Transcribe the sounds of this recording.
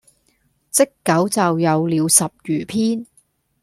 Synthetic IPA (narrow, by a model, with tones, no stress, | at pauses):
t͡sɪ˥kːɐ˨˥wt͡sɐ˨wjɐ˨˧wliː˨˧wsɐ˨p̚jyː˨˩pʰiː˥n